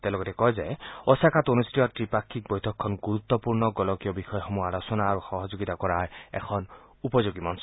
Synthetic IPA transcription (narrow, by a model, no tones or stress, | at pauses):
t̪elɔɡɔt̪ekɔɦed͡ʒaeɔsakʰat̪onustiɔtɾipakʰːik̚bɔjt̪ʰɔkʰːɔnɡuɾut̪ːɔpuɾnɔɡɔlɔkjɔbixɔjɔxɔmualɔsɔnaːɾuxɔɦɔd͡ʒoɡit̪akɔɾaɹḛkʰɔn | upɔd͡ʒoɡimansɔ